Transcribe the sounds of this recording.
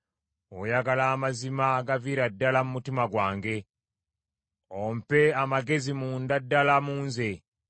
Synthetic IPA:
ojaɡalaːmazimaɡaviːɾadːalamumutimaɡwaːŋɡe̞ | ompe̞amaɡe̞zimuːndadːalamuːnze̞

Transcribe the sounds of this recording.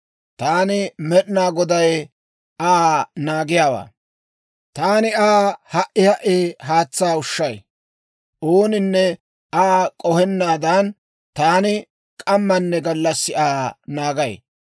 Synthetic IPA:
t̪aːnɪmɛɗnaːɡɔd̪ɐj | aːnaːɡɪjaːwa̰ː | t̪aːnɪaːhɐʔɪhɐʔeːɦaːt͡sːaːʊʃːɐj | ʔoːnɪnːɛ | ʔaːkʼɔhɛnːaːd̪ɐn | t̪aːnɪ | kʼɐmːɐnːɛɡɐlːɐsːɪaːnaːɡɐj

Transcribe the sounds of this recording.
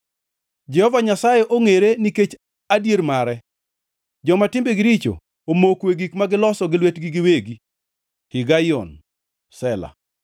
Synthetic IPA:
d͡ʒɛhɔvaɲasajeʔoŋeɾeniket͡ʃ | adjeɾmaɾɛ | d͡ʒɔmatɪmbeɡɪɾit͡ʃo̰ | omokweɡikmaɡɪlɔsɔɡɪlwetɡiɡɪweɡi | kɪɡajɔ̰n | sɛla̰

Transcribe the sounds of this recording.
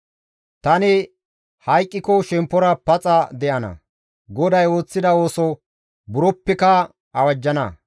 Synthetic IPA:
t̪ɐnɪ | hɐjkʼːɪkɔʃɛmpːɔɾɐpɐt͡sʼɐd̪ɛʔɐnɐ̰ | ɡɔd̪ɐjo̞ːt͡sːɪd̪ɐo̞ːsɔ | bʊɾɔpːɛkɐ | ɐwɐd͡ʒːɐnɐ

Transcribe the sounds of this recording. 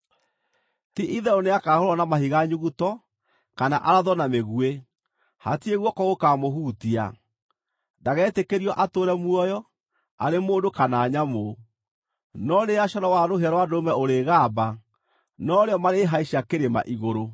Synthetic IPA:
tiʔiðɛoneakahoɾɔnamahiɣaɲuɣutɔ | kanaʔaɾaðɔnameɣue | ha̰tieɣwɔkɔɣokamoɦuːtia̰ | daɣɛːtekeɾiɔʔatoːɾɛmwɔjɔ | a̰ɾemoːndokanaːɲamo | nɔɾeaʃɔɾɔwaɾoɦaɾwadomɛoɾeɣaba | nɔɾeɔmaɾeɦaiʃakeɾema̰ʔiɣoɾo

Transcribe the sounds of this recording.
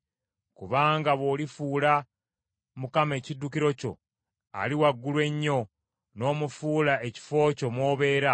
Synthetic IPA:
kuβaːŋɡaβo̞ːlifuːla | mukame̞ːcidːukiɾo̞co̞̰ | a̰liwaɡːulwe̞ɲːo̞ | no̞ːmufuːlaʔe̞ci̥fo̞ːco̞mwo̞ːβe̞ːɾa

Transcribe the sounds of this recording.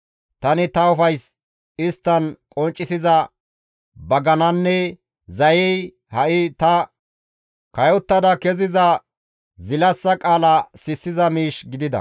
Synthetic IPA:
t̪ɐnɪt̪ɐʊfɐjs | ɪst̪ːɐnkʼɔnt͡ʃʼːɪsɪzɐ | bɐɡɐnɐnːɛ | zɐjɛj | hɐʔɪt̪ɐ | kɐjɔt̪ːɐd̪ɐkɛzɪzɐ | zɪlɐsːɐkʼaːlɐsɪsːɪzɐmiːʃɡɪd̪ɪd̪ɐ̰

